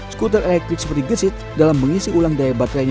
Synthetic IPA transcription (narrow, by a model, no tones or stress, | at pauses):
skut̪̬əɾʔɛlɛk̚t̪ɾɪk̚sə̥pərd̪iɡəsɪt̪̚dalamːəŋisiʔulaŋdaebat̪ɾaɲ